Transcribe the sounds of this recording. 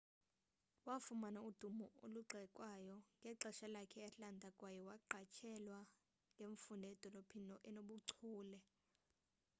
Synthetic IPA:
wafumanaud̥ʱumɔo̰luǀʱɛkʼwajɔŋɡʱɛǁɛʃalakʰɛɛɬandʱakʼwajɛwaǃʱat͡ʃʰɛlwa | ŋʱeɱfundʱɛɛd̥ʱɔlopʰinɔʔɛnoɓuǀʰuːlɛ

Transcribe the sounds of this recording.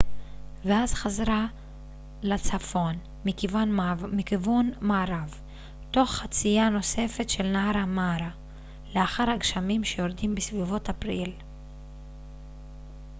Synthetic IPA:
veazχazɾa | lat͡safo̞n | mikivanmikivunmaːɾav | to̞χːat͡sijano̞se̞fe̞tʃe̞lnaaɾamaɾa | leaχaɾhaɡʃamimʃe̞jo̞ɾdimbisvivo̞tapʁil

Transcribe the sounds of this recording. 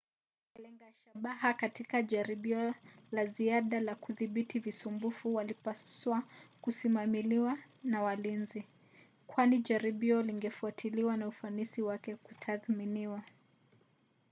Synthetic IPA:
ɛlɛŋɡaʃaɓaɦakatikaʄaɾiɓiɔlaziaɗalakuðiɓitivisumbufuwalipaswakusimamiliwanawalinzi | kwaniʄaɾiɓiɔliŋɡɛfuatʰiliwanaufanisiwakɛku̥tʰaθminiwa

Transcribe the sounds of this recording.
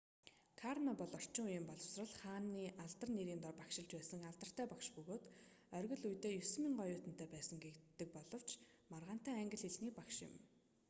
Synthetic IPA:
kʰarnɔpɔɮɔr̥t͡ɕɪ̆ŋujɪ̆mpɔɮə̆w̥srə̆ɮχaːnːiːʔaɮt̪ə̆rneɾiːnt̪ɔrpakʃɪ̆ɮt͡ɕpæːsə̆ŋaɮt̪ə̆r̥t̪æːpakʃpɵɣoːt̪ | œrʲɣɵ̆ɮujt̪eːjɵsɘ̆miŋɢɔjʊːt̪ənt̪æːpæːsə̆ŋɡekt̪ːɘ̆k̚pɔɮɞ̆w̥t͡ɕ | marʁaːn̥t̪æːæŋɡʲɪ̆ɮxeɮniːk̚pakʃɪ̰̆m

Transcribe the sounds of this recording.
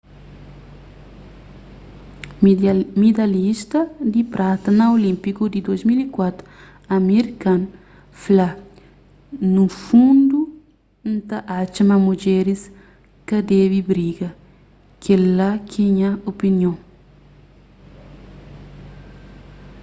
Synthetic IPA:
mid̪alist̪ɐd̪ipɾʔat̪ɐnaolĩmpikud̪id̪ozmilikwat̪ɾu | ameɾikãn | fla | nufũnd̪u | n̩t̪aʔat͡ʃɐmamud͡ʒɛɾis | kɐd̪eβibɾiɡɐ | kʰelːakʰiɲɐopinjõŋ

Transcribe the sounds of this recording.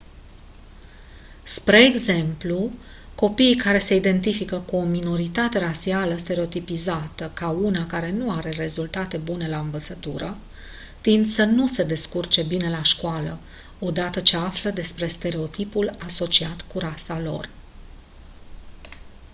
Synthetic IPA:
spɾe̞ːɡze̞mplu | ko̞piːkaɾe̞se̞id̪e̞nt̪ifikəkuo̞mino̞ɾit̪at̪e̞ɾasialəst̪e̞ɾe̞o̞t̪ipizat̪əkaunakaɾe̞nuaɾe̞re̞zult̪at̪e̞bune̞laɨnvət̪sət̪uɾə | t̪ind̪sənuse̞d̪e̞skurt͡ʃe̞bine̞laʃkwalə | o̞d̪at̪ət͡ʃe̞afləd̪e̞spɾe̞st̪e̞ɾe̞o̞t̪ipulaso̞t͡ʃiat̪kuɾasalo̞̰r

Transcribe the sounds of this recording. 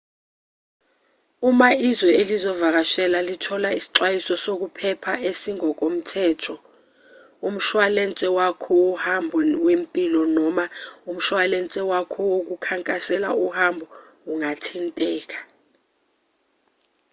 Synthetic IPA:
umaizwɛelizɔvak̬aʃɛlalitʰɔlaisi̥ǃwajisɔsok̬upʰɛpʰaesiŋɔk̬ʼom̩tʰɛːtʰɔ | um̩ʃwalɛnt͡sʼɛwakʰɔuhambʱɔwempʼilɔnɔmaum̩ʃwalɛnt͡sʼɛwakʰɔwok̬ukʰaŋkʼasɛlauhambʱɔ | uŋatʰintʼɛːk̬ḁ

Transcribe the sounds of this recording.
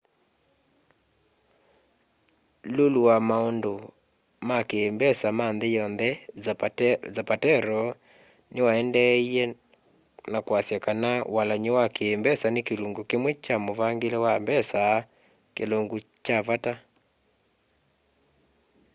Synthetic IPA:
loluwamaondo | makembɛsamanðejɔnðɛ | zapatɛɾɔ | newaɛndɛiɛ | nakwasjakanawalaɲewakeːmbɛsanekeloŋɡokemwɛt͡ʃamovaŋɡelɛwambɛsa | keloŋɡut͡ʃavata

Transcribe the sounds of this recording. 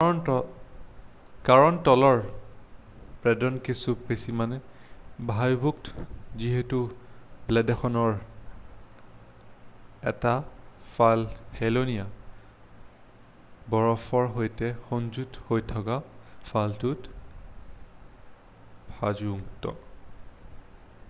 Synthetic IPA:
n | kaɹɔntɔlɔɹ | pɹɛdɔnkisupesimanɛbʱajbʱuktziɦetublɛdɛxʰɔnɔɹ | ɛ̰tafalhɛlonia | bɔɹɔfɔɹɦojtɛxɔnzuthojtʰɔkafʰaltut | bʱazuuŋtɔ̰

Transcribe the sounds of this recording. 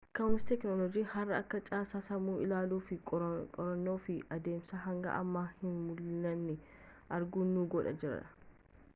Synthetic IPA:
kɐwnst̪ɛknolɔd͡ʒiːhɐrːɐɐkːɐt͡ʃʼaːsaːsɐmuːʔɪlaːluːfɪkʼɔɾɐnːo̞ːfɪʔɐd̪e̞ːmsɐɦɐŋɡɐ̰ʔɐ̰mːaːhɪnmʊlːɐnːɪ | ʔɐɾɡʊnːuːɡɔᶑɐ̰d͡ʒɪɾɐ̰ᶑɐ̥

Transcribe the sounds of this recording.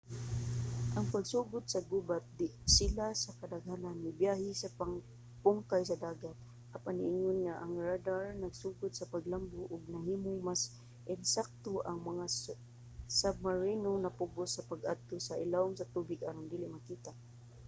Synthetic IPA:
ʔɐŋpaɡsuːɡʊt̪̚sɐɡubat̪̚d̪ɪsɪlasakɐd̪aɡhananːɪbjaːɦɪsapaŋ | pʊŋkajsɐd̪aːɡat̪̚ | ʔapanɪʔɪŋʊnŋaʔaŋɹad̪aɹnaɡsuːɡʊt̪̚sɐpaɡlambʊʔʊɡnɐɦiːmʊŋmas | ʔɛnsak̚t̪oʔaŋmɐŋa | sab̚maɹinonɐpʊɡʊsːɐpaɡad̪̚t̪osɐʔɪlaʔʊŋsɐt̪uːbɪɡaɾʊnd̪iːlɪmakiːt̪aʔ

